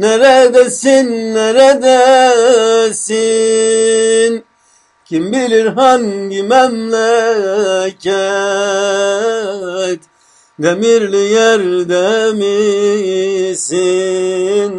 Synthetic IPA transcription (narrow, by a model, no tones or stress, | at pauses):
naɾad̪asinːaɾad̪a | si | n | kimbiliɾɦanɡimamla | ka | t̪ | d̪ɐmiɾlijaɾd̪ami | si | n